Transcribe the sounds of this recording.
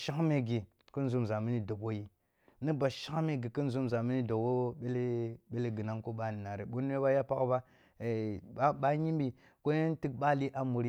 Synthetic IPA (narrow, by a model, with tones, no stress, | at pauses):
ʃa˦ŋ˦me˦ɡi˨ | kə˦n˦zu˦m˨za˨mi˦ni˦do˨bwo˦ji˦ | nə˦ba˨ʃa˦ŋ˦me˦ɡi˨kə˦n˦zu˦m˨za˨mi˦ni˦do˨kwo˦ɓe˦le˦ɓe˦le˦ɡi˨na˦ŋko˦ɓa˦ni˨na˨ɾe˨ɓo˦n˦e˦βa˦ja˦pa˦kba˦ | e˨a˦ɓa˦ɲi˦m˦bi˨ | ko˦ji˦n˦ti˦k̚ɓa˦li˦ʔa˦mu˨ɾi˦